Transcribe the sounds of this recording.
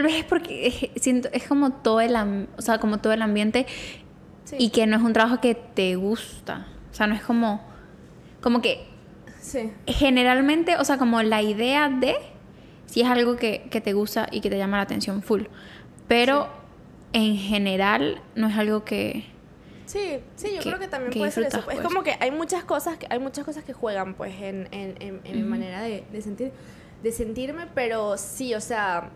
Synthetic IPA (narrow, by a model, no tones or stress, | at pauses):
t̪alβe̞se̞spo̞ɾkeesjent̪oe̞sko̞mo̞t̪oðoelamoseako̞mo̞t̪o̞ðoelambje̞nt̪e̞ | ike̞noe̞s̬unt̪ɾaβaxoke̞t̪eɣust̪a̰ose̞anoesko̞mo̞ | ko̞mo̞ke̞ | ixe̞ne̞ɾalmẽnt̪e̞ʔo̞se̞ako̞mo̞laiðe̞aðe̞ | sie̞salɣo̞ke̞ke̞t̪e̞ɣust̪a̰ʔḭke̞t̪eʝamalaːt̪e̞̰nsjo̞ɱful | pe̞ɾo̞ | eŋxe̞ne̞ɾalno̞e̞salɣo̞ke̞̰ | sisiʝokɾeoket̪ambjemkːewisfɾuet̪aspeekomoke̞ʔajmut͡ʃasko̞saskeʔajmut͡ʃasko̞saskexwe̞ɣampwḛsenenenemimãne̞ɾaðeðesent̪iɾ | d̪e̞se̞nt̪iɾme̞pe̞ɾo̞sio̞sea